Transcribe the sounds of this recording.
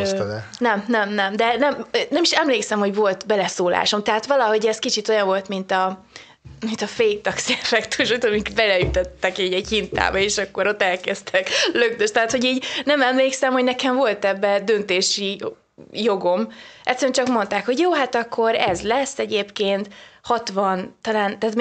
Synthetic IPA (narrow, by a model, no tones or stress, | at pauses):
nɛmnɛmnɛmd̪ɛnɛmːnɛmiʃɛmleːksɛmho̞ɟvo̞lt̪bɛlɛsoːla̰ːʃo̞mt̪ɛɦat̪ʋɒlɒɦo̞ɟɛskit͡ʃit̪o̞jɒɱvo̞lt̪mint̪ɒ | mint̪ɒfejt̪ɒksɛfɛkt̪uʃojt̪omikbɛlɛyt̪øt̪ːɛkiːɟɛɟhint̪a̰ːbɛeːʃɒkːo̞ɾo̞t̪ːɛlkɛst̪ʰɛkløɡd̪øʃt̪ɛɦaːt̪ho̞ɟiːɟnɛmɛmleːksɛmhoɟnɛkɛɱvo̞lt̪ɛbːɛd̪ønt̪eːʃi | jo̞ɡo̞mʔɛt̪sɛɾɛnt͡ʃɒkmo̞nt̪aːkho̞ɟjoːɦat̪ɒkʰːo̞ɾɛzlɛsːɛɟeːpkeːnt̪hɒt̪ʋɒnt̪ɒlaːnt̪at̪m